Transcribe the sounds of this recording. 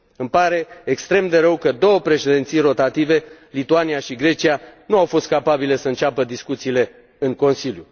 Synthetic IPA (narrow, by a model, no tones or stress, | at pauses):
ɨmpaɾe̞ekst̪ɾe̞md̪e̞ɾəwkəd̪o̞wəpɾe̞ʃed̪ent̪sijro̞t̪at̪ive̞lit̪uanijaʃiɡɾe̞t͡ʃianuawfo̞st̪̚kapabile̞səɨnt͡ʃapəd̪iskut̪siːle̞ | ɨŋko̞nsilju